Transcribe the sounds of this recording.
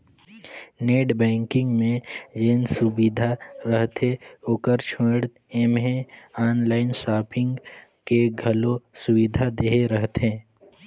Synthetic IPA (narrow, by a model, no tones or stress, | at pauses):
neːʈbɛ̃ːŋkɪ̃ŋɡmẽd͡ʒensʊbɪd̪ʱaɾəɦt̪eoːkəɾt͡ʃʰoːɽt̪emɦẽaːnlaːɪnsaːpʰɪ̃ŋɡkeɡʱɐlõsʊwɪd̪ʱad̪eːɦeɾəɦt̪ɦẽː